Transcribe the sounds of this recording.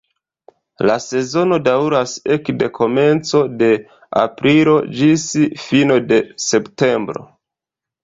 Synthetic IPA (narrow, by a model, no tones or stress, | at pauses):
lase̞zo̞no̞dawɾase̞kde̞kʰo̞me̞nt͡so̞de̞ | a̰pɾʔilo̞d͡ʒisfino̞de̞se̞pte̞mbɾo̞̰